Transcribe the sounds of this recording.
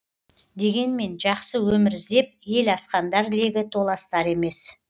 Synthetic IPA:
d̪e̞ɡʲe̞nme̞nʒɑqsəwɵmɪɾzd̪e̞p̚je̞lɑsqɑnd̪ɑɾle̞ɡʲɪt̪ʰo̞lˠɑst̪ɑɾe̞me̞s

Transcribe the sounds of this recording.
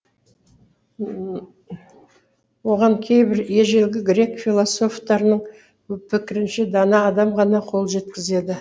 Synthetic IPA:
wo̞ʁɑɴkʲʰe̞jbɪɾe̞ʒe̞lɡʲɪɡɾe̞kfʲilˠoso̞ft̪ɑɾənəɴ | pʰɪkʲɪɾɪnʃɪd̪ɑnɑːd̪ɑmʁɑnɑqʰo̞lˠʒe̞t̪kʲɪze̞d̪ɪ

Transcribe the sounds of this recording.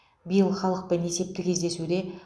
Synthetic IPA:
bijəlˠχɑlˠəq̚pɪne̞se̞p̚t̪ɪkʲʰezd̪e̞sud̪e̞

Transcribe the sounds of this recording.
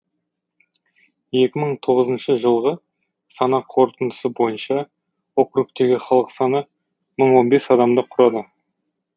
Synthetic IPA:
je̞kʲɪməɴt̪ʰo̞ʁəzənʃəʒəlˠʁə | sɑnɑqʰo̞ɾt̪ənd̪ə̥səbo̞jənʃɑ | wokruk̚t̪e̞ɡʲɪχɑlˠəqsɑnə | məɴwo̞nbe̞sɑd̪ɑmd̪əqʰʊɾɑd̪ə

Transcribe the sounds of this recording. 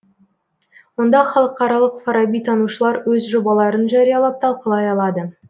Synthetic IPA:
wo̞nd̪ɑχɑlˠəqːɑɾɑlˠəqfɑɾɑbijt̪ʰɑnuʃəlˠɑɾwɵzʒo̞bɑlˠɑɾənʒɑɾijɑlˠɑp̚t̪ʰɑlˠqəlˠɑjɑlˠɑd̪ə

